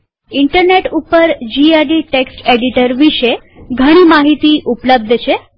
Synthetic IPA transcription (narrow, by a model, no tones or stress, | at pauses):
iɳʈəɾneʈupəɾd͡ʑiaɖiʈeksʈeɽiʈəɾʋiɕe | ɡʱəɽ̃iːmaɦit̪iːʔupləb̚d̪ʱət͡ɕe